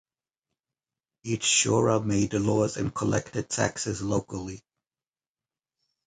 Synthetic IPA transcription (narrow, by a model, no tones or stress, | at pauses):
it͡ʃʃɔɹəmeɪd̪lɔzɨ̰̃nkʰəlɛ̰ktɨd̚tʰæ̰ksɪzloʊkəl̩ˠi